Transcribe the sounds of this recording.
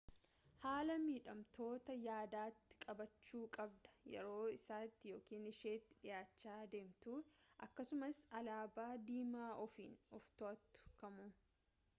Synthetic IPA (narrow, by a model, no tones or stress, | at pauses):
haːlɐmiːᶑɐmt̪o̞ːt̪ɐjaːd̪aːt̪ːɪ̥kʼɐbɐt͡ʃːuːkʼɐbd̪ɐ̥jɛ̰ɾo̞ːɪsaːt̪ːɪjo̞ːkiːnɪʃeːt̪ːɪ̥ᶑɪjaːt͡ʃːaːd̪e̞ːmt̪uːʔɐkːɐsʊmɐsɐlaːbaːd̪iːmaːʔɔfḭːnɔft̪oɐt̪ːʊ̥kɐmuː